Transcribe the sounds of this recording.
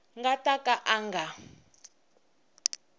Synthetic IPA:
ŋɡatʼakʼaʔaŋɡa

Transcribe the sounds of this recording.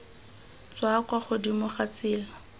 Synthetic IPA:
t͡swakwaχʊdimʊχat͡sɪːla

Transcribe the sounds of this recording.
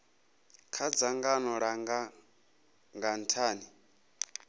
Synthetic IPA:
kʰad͡zaŋɡanɔɺaŋɡa | ŋɡantʰaːni

